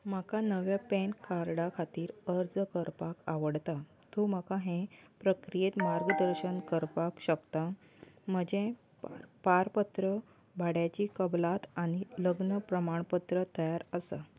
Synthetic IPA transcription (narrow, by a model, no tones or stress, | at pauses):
makanəʋjapẽnkaɾɽakʰat̪iːɾəɾd͡zkəɾpakaʋəɽt̪a | t̪omakaɦẽpɾəkɾijet̪maɾɡəd̪əɾɕənkəɾpakɕəkt̪a | m̤əd͡ʑẽ | ppaɾpət̪ɾə | bʱaɽjat͡ɕiːkəblat̪añiləɡnəpɾəmaɳpət̪ɾət̪əjaɾəsa̰